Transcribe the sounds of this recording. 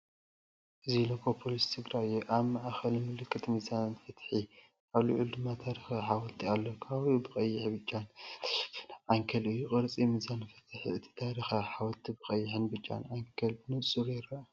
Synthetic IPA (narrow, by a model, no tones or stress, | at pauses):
ʔɨzilokʰopʰolist̪ʰɨɡɾajuʔaβmaʔxɐlmɨlɨkʰʼːɨt̪mɨzanfɐt̪ħi | ʔaβlɨʕuld̪ɨmːat̪ʰaɾixaħawɔlt̪ʰialːokʰawʔubɨkʼɐjːɪħbɨt͡ʃʼːan | ʕaŋkʰɐlʔɨjːukʼɨɾt͡sʼimɨzanɨfɐ̥t̪ʰɨħḭɨt̪ʰi̥t̪ʰaɾixaħawɔt̪ʰibɨkʼɐjːɪħɨnbɨt͡ʃʼːa̰nʕaŋkʰɐlbɨnɨt͡sʼːɨɾjɪɾɐ